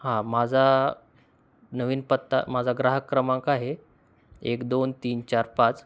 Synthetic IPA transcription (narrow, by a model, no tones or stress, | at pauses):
hãmad͡zʱa | nəʋiːnpət̪ːa̰mad͡zʱaɡɾaɦəkɾəmãŋkaɦe | ekd̪ont̪iːnt͡ɕaɾpat͡s